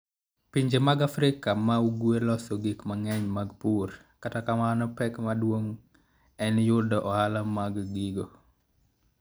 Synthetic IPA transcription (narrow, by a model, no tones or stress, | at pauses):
piɲd͡ʒemaɡafɾɪkamauɡwelɔsɔɡikmaŋɛɲmaɡpur | katakamanɔpɛkmadwoŋ | ɛnjʊdɔʔɔhalamaɡɡiɡo